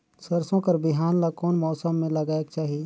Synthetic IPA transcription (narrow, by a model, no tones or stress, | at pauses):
sɐɾsõkəɾbɪɦaːnlakɔːnmɔːsəmːẽlɐɡaːek̚t͡ʃaːɦieː